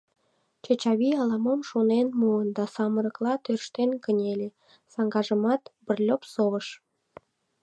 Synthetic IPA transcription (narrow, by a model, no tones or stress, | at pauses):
t͡ɕet͡ɕɑβiɑlɑməmʃonenmuənd̪ɑsɑməɾəklɑt̪ørʃt̪enkənʲelʲe | sɑŋɡɑʒəmɑt̪bərlʲopsoβəʃ